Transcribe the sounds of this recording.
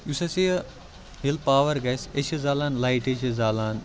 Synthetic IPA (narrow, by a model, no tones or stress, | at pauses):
usɐsiɐ | ɦilpaːʋɐɾɡɐseʃɐzaːlaːnlaːjʈet͡ʃɐzaːlaːn